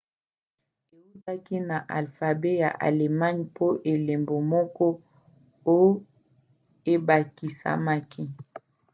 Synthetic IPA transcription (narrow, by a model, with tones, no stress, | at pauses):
e˨u˦ta˦ki˦na˨ʔa˨lfa˨be˦ja̰˨ʔa̰˨le˨ma˦ɲpo˦ʔe˨le˨mbo˨mɔ˦kɔ˦ | o˦j | e˦ba˨ki˨sa̰˦ma˦ki˦